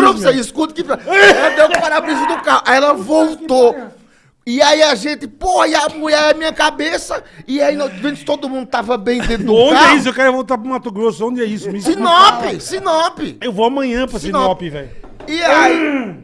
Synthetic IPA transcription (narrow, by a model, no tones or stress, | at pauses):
nɐ̃seiskut̪kɪpɾaɐd̪ewpaɾapɾizɐd̪ʊkaʔaɛlɐvowt̪o | ɪaiaʒẽt̪ɪpohaiamuʎaamĩɲɐkabesɐɪainɐ̃d̪vẽnɪ̥t̪od̪ʊmũnd̪ʊt̪avɐbẽj̃d̪ẽd̪ʊõd͡ʒaɪɛisʊewkɛɾvowt̪aɾpɾʊũmat̪ʊɡɾosʊõd͡ʒ̪ɪɛisʊmsinɔpɪsinɔpɪewvoamɐ̃ɲɐ̃pɾɐsinɔɔppɪvɛ̰j | iai